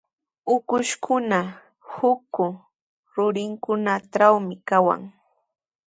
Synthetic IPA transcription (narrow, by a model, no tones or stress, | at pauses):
ʊkʊʃkʰʊna | hʊkʊ | ɾʊɾɪŋkʊnaʈ͡ʂawmɪkawa̰ŋ